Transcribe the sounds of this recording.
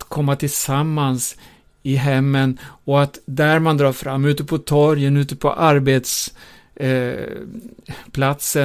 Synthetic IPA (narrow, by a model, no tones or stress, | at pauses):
t̪kʰɔmːat̪ʰɪlsamːans | ɪɦɛmːənɔat̪d̪æɾmand̪ɾɑːɾfɾamːʉ̟ːt̪əpʰɔt̪ʰɔɾjənʉ̟ːt̪əpʰɔ̰ʔaɾbeːt̪s | pʰlat̪sə